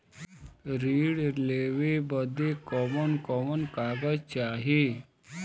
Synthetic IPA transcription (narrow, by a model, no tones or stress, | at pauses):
ɾiːɽleʋebəd̪ekɔmənkɔmənkaːɡəzt͡ʃaːɦe